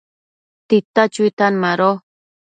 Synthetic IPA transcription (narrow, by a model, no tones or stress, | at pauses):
t̪it̪at͡ʃuit̪anmaɾo